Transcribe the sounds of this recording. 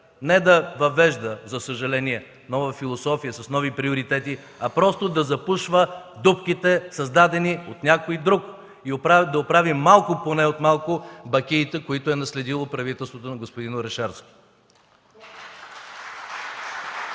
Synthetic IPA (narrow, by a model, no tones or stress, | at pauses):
nɛd̪ɐvɐvɛʒd̪əzɐsəʒɐlɛniɛ | nɔvəfilˠosɔfijəsɐsnɔvipɾioɾit̪ɛt̪i | ɐpɾɔst̪od̪ɐzɐpuʃvəd̪upkit̪ɛsɐzd̪ad̪ɛniot̪nʲakoid̪ɾuk | iopɾad̪ɐopɾavimːalˠkʊponɛot̪malˠkʊbɐkʲiːt̪ɛkoit̪ʊɛnɐslɛd̪ilˠopɾɐvit̪ɛlˠst̪vot̪onɐɡospod̪inoɾɛʃɛɾsk